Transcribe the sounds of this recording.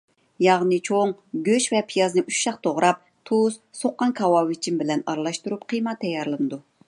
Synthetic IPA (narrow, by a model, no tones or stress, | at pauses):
jɑʁnɨt͡ʃʰoŋɡʲøʃvɛpʰijɑznɨʔyʃʃɑqt̪ʰoʁɾɑp̚ | t̪ʰuzsoqːɑnkʰɑwɑwit͡ʃʰimbɪlɛnɑɾlˠɑʃt̪uɾupqʰəjmɑt̪ʰːɛjɑɾlˠɨnɨd̪u